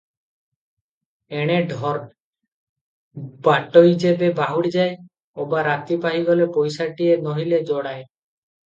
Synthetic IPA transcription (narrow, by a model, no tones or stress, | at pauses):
eɽ̃eɖʱɔɾ | baʈoid͡ʒebebaɦuɽid͡ʒae | obaɾat̪ipaɦiɡɔlepɔjsaʈienɔɦiled͡ʒɔɽae